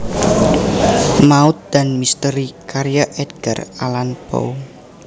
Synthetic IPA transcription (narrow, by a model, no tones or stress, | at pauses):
maut̪̚d̪̥a̤nmist̪əɾikaɾijaʔɛd̪ɡ̥aralanpo̰